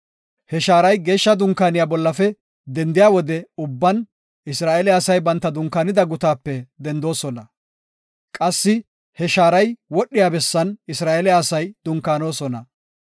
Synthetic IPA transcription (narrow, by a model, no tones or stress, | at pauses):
hɛʃaːɾɐjɡe̞ːʃːɐd̪ʊŋkaːnɪjaːbɔlːɐfɛ | d̪ɛnd̪ɪjaːwɔd̪ɛʊbːɐn | ɪsɾaːʔɛlɛɐsɐjbɐnt̪ːɐd̪ʊŋkːaːnɪd̪ɐɡʊt̪aːpːɛd̪ɛnd̪o̞ːsɔnɐ | kʼɐsːɪ | hɛʃaːɾɐjwɔɗːɪjaːbɛsːɐnɪsɾaːʔɛlɛɐsɐjd̪ʊŋkːaːno̞ːsɔnɐ